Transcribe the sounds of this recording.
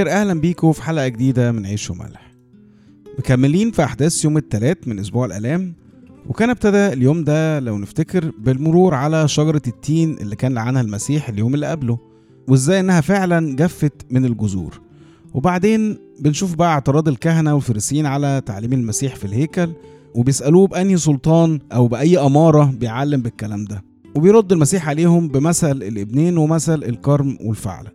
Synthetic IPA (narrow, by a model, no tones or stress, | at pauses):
eɾʔæhlæmbiːkofi̥ħaːlʔæɡed̪iːd̪æmenʕiːʃo̰mæ̰lħ | mekæmːeliːnfiʔaħd̪æːsjoːmet̪ːælæːt̪menʔos̬buːʕelʔæ̰læːm | wʔekæːneb̚t̪æd̪æeljoːmd̪ælæwneft̪ekeɾbelmoɾuːɾʕalæʃɑɡɑɾˤɑt̪ːiːnʔḛlːikæːnleʕanhælmæsiːħeljoːmelːiʔæblo | weʔezːæːjʔenːæhæfeʕlænɡæfːæt̪menelɡʊzṵːɾ | webaʕd̪eːn | benʃuːfbæʔæeʕt̪eɾˤɑːd̪elkæɦnæwelfeɾesjiːnʕalæt̪aʕliːmelmæsiːħfilheːkæl | webejesʔæluːbʔænjis̬ˤolt̪ˤɑːnʔæwbeʔæjːʔæmɑːɾˤɑbejʕalːembekːælæːmd̪æ | webejɾˤod̪ːelmæsiːħʕaleːhombemæsælelʔebneːnwemæsælelkɑɾˤmwʔḛlfa̰ʕlæ